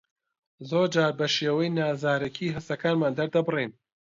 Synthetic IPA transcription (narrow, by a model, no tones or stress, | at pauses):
zoːɾd͡ʒaːɾbɐʃeːwɐjnaːzaːɾɐkʰiːɦɐst̪ɐkaːnmaːnd̪ɐɾd̪ɐbɨrin